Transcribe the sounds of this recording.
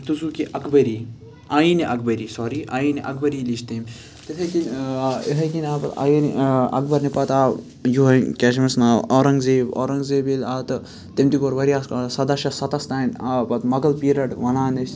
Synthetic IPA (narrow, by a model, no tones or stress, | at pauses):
t̪usuːkiʔɐkbɐɾi | aːjiniʔɐkbɐɾiːsɔːɾiʔaːjiniʔɐkbɐɾiːliʃt̪em | t̪it̪ʰɐkineɦɐkinaːpɐt̪a̰jinɐ̰kbɐɾnepɐt̪aː | juɦɐkʲɛʃmɐsnaːlɔːɾɐŋɡzeːbo̰ːɾɐŋɡzeːbilaːt̪ɐ | t̪emt̪ikoːɾʋɐɾiassɐd̪ɐʃɐsɐt̪ɐst̪aːnaːpɐt̪mɐɡɐlpiːɾɐʈʋɐnaːnɐs